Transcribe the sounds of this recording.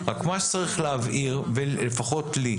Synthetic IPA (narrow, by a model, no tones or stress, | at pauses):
ʁakmaʃt͡saʁiχleavʔiʁvelefaχo̞tli